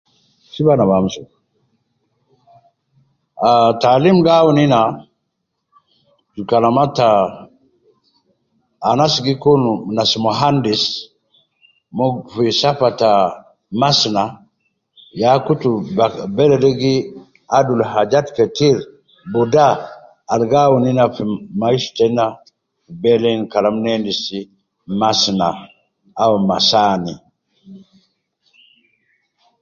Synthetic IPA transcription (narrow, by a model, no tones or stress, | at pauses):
sibanabamusu | atalimɡawunina | d͡ʒukalamata | nasiɡikonunasmoɦandis | mofisafata | masna | jakutubɛlɛdiɡi | adulhad͡ʒatketiɾ | budaː | lɡawuninafmaiʃtɛna | fibɛlɛnkalamnɛndisi | masna | awmasani